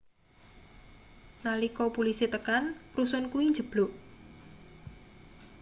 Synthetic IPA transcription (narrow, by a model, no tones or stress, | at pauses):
nalikɔpulisit̪əkanprusʊnkuiɲd͡ʒə̤b̥loʔ